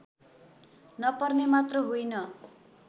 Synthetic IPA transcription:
nʌpʌrnemat̪rʌɦujnʌ

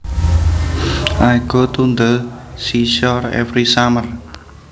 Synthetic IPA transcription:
ʔajɡ̥ot̪und̪əlsiʃɔrɛ̰fɾisamər

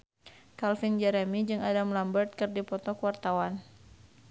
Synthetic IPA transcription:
kalfind͡ʒɛɾɛmid͡ʒɨŋadamlambərt̪̚kɨrdipɔt̪ɔkəwart̪awan

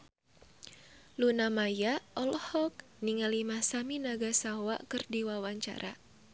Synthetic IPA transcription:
lunamajaɔlɔhɔk̚ | niŋalimasaminaɡasawa̰kɨrdiwawaɲt͡ʃa̰ɾʔa

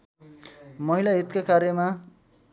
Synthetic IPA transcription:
mʌɦilaɦit̪kakaɾjʌma

